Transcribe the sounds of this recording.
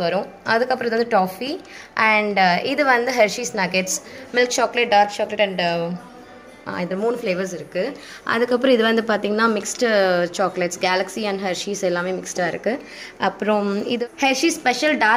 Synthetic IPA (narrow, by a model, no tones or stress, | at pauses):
ʋɐɾʊ̃ | ɐðɯkːɐpːɾõɪðɯʋɐnd̪ɯʈoːfi | ʔɐɳɖɪðɯʋɐnd̪ɯɦɛɾʃiːsnɐɡɛʈsmɪlk̚t͡ʃaːklɐʈ̚ɖaːɾp̚t͡ʃaːklɐʈɐɳɖ | ɪðɐmuːnfleːʋɐɾs̬ɪɾɯkːɯ | ʔɐ̰ðɯkːɐp̬ːɯɾɔ̃ɪðɯʋɐnd̪ɯpaːɾt̪iːŋɡɐnaːmɪksʈt͡ʃaːklɛʈsɡaːlɐksiɐɳɖɦɐɾʂiːsɛlːaːmeːmɪksʈaːɪɾɯkːɯ | ʔɐpːɯɾõɪðɯhɛɾʂispɛʂɐlɖaː